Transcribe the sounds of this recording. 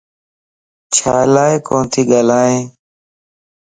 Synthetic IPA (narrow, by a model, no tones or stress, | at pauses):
t͡ʃʰaːlaːekõːnt̪ʰiːɠaːlaːɦẽː